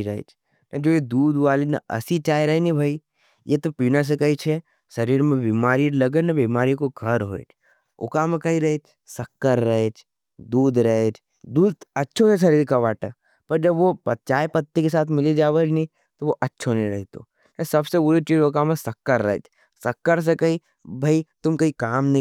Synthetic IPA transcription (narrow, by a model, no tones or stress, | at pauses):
ɾɐɦḛt͡ʃʰ | nɐd͡ʒoːjed̪uːd̪ʋaːlinɐ̰ɐ̰sit͡ʃaːiɾɐɦenibʱaːi | jet̪opiːnas̬ekɐit͡ʃʰe | sɐɾiːɾmẽbimaːɾilɐɡənɐbiːmaːɾikoɡʱɐɾɦo̰ːḛt͡ʃʰ | ʊ̰kamẽkɐɦiɾɐɦet̪ʰ | sɐkːəɾːɐɦet͡ʃʰ | d̪uːd̪ɾɐɦet͡ʃʰ | d̪uːd̪ɐtːʃʰoseʃɐɾiːɾkaʋaːʈə | pɐɾd͡ʒɐbʋopɐt̪ːt͡ʃaːepɐt̪ːikesaːt̪ʰmɪlid͡ʒaːʋed͡ʒnĩ | t̪oʋoʔɐtːʃʰonɐĩɾɐɦit̪o̰ | kɐsɐbsebʊɾit͡ʃiːd͡ʒʊkamẽsɐkːəɾːɐ̰ɦḛt͡ʃʰ | sɐkːəɾs̬ekɐi | bʱait̪ʊmkɐikaːmn